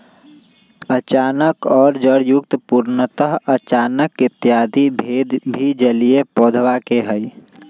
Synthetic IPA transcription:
ət͡ʃaːnəkɔːɾd͡ʒəɽjʊkt̪puːɾnət̪əɦət͡ʃaːnəkɪt̪ːjaːd̪ibʱeːd̪bʱid͡ʒəlijepɔːd̪ʱʋakeɦəi

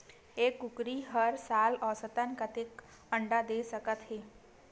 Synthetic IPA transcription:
eːkːʊkɾiɦəɾsaːlɔːsət̪ənkət̪ek | ə̃ɳɖad̪eːsəkət̪ɦeː

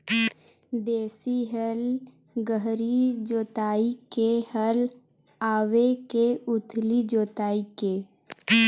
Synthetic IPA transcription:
d̪eːsiɦəl | ɡəɦɾid͡ʒoːt̪aːikehəl | aːʋekeʊt̪ʰlid͡ʒoːt̪aːike

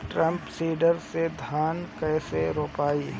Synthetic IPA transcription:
ʈɾə̃mpsiːɖəɾsed̪ʱjaːnkɛːseɾoːpaːiː

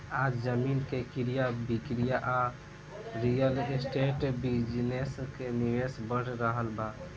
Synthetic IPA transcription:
ad͡ʒd͡ʒəminkekiɾijabikɾijaʔa | ɾijəlesʈeʈbid͡ʒneskeniʋesbəɽɾəɦəlba

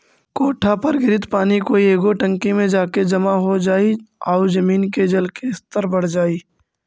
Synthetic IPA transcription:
koːʈʰapɐɾɡɪɾɪt̪paːnikoːieːɡoʈə̃ŋkimẽd͡ʒaːked͡ʒɐmaɦod͡ʒaːiaːʊd͡ʒɐmiːnked͡ʒɐlkeɪst̪əɾbəɽ̤d͡ʒaːiː

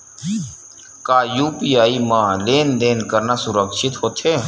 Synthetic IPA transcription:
kaːjuːpiːaːiːmãːleːnd̪eːnkəɾnaːsʊɾəkʃɪt̪ɦoːt̪ʰeː

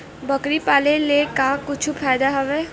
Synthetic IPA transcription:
bəkɾipaːlelekakʊt͡ʃʰupʰaːjd̪aɦɐʋeː

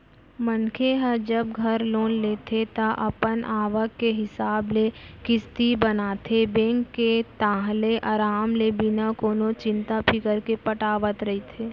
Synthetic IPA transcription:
mənkʰeɦəd͡ʒəbɡʱɐɾloːnleːt̪ʰet̪aʔɐpənʔaːʋəkːeɦɪsaːblekɪst̪ibɐnaːt̪ʰebẽːŋkːet̪aːɦleʔaːɾaːmlebɪnakoːnot͡ʃɪ̃nt̪apʰɪkəɾkepɐʈaːʋət̪ɾɐɦit̪ʰeː

